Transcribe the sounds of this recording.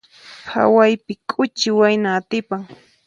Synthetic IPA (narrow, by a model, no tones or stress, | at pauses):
hʰa̰wajpɪkʼʊt͡ʃɪwajnaːt̪ɪpaŋ